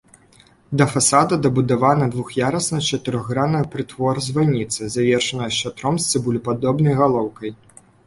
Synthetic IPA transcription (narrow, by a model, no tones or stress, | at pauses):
d̪ɐfasad̪ɐd̪ɐbud̪avanɐd̪vuxjaɾɐsnɐt͡ʂɐt̪ɨɾɔɣɣɾanɐjɐpɾɨt̪vɔɾzʲvanʲit̪sɨzʲavʲɛrʂɐnɐjɐʃt͡ʂat̪ɾɔmsʲt̪ʲɛbulʲipad̪ɔbnɐjɣalˠɔwkɐj